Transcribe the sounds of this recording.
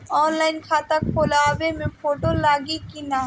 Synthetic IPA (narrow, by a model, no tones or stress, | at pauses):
ɔːnlaɪnkʰat̪ak̚polabemẽpʰoʈolaːɡikina